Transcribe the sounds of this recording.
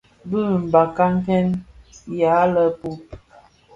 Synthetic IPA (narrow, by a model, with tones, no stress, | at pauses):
bə˦˨m̩˨ba˨ka˦ŋ˦kɛ˦nja˨˦lə˦pu˦p̚